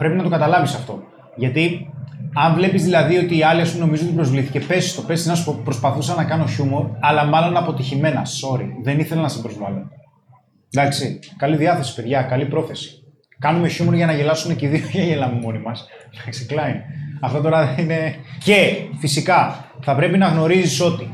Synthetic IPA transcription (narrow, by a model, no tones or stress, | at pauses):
pɾe̞pinɐt̪o̞kɐt̪ɐlɐvisɐft̪o̞ | ʝɐt̪i | ɐɱvle̞pizðilɐðio̞t̪iːɐliɐsuno̞mizuo̞t̪ipɾo̞zvliθice̞pe̞si̥st̪o̞pe̞sinɐspɾo̞spɐθusɐnɐkɐno̞çumo̞ɾɐlɐmɐlo̞nɐpo̞t̪içime̞nɐso̞ɾḭðe̞niθe̞lɐnɐsibɾo̞zvɐlo | d̪ɐksikɐliðiɐθe̞si̥pe̞ðʝɐkɐlipɾo̞θe̞si̥ | kɐnume̞çumoɾʝɐnɐʝe̞lɐsuneciðioʝɐʝelɐmimo̞nimɐs | d̪ɐksi̥klɐineɐft̪ɐt̪o̞ɾɐðenine̞ce̞fisikɐθɐpɾe̞pinɐɣno̞ɾiziso̞t̪i